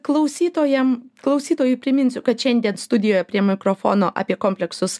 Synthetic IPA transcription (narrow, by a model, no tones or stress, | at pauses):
klˠɐʊsʲiːt̪oːjɛmklˠɐʊsʲiːt̪oːjʊɪpʲɾʲɪmʲɪnʲsʲʊkɐt̪ʃʲɛnʲd̪ʲiɛnst̪ʊd̪ʲɪjoːjɛpʲɾʲiɛmʲɪkɾoːfo̰ːnoːʔɐ̰pʲiɛkoːmʲpʲlʲɛksʊs